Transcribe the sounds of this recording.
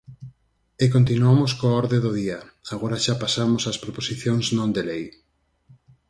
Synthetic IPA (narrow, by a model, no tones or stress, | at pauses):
ɪkont̪inuamoskoɔɾðeðoðiaaɣoɾaʃapasamosaspɾoposiθjoŋznõnd̪elej